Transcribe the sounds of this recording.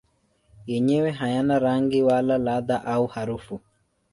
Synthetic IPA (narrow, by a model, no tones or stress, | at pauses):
jɛɲɛwɛɦajanaɾaŋɡɪwalalad̪aʔauhaɾufu